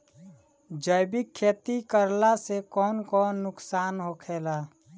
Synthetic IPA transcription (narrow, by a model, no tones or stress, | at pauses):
d͡ʒəjbɪkʰːeːt̪ikəɾlasekɔːnkɔːnːʊksaːnɦokʰeːlaː